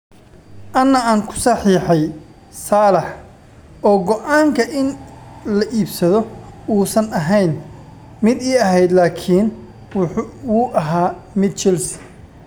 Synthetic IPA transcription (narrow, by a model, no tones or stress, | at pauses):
ʔɐnːɐaːŋkʰʊ̥sɑħiːħɛj | saːlɛħ | ʔɔːɡɔʔaːŋkʰɐʔɪnlɐʔiːbsɐðɔuːsɐnɐɦɛjn | mɪd̪iːɐɦɛjd̪laːkʰiːn | wuːʔɐɦaːmɪd̪̚t͡ʃɪlsɪ̥